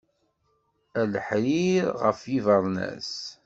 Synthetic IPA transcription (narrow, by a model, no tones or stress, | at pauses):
æləħɾiɾʁə̰fjivəɾˤnæ̰s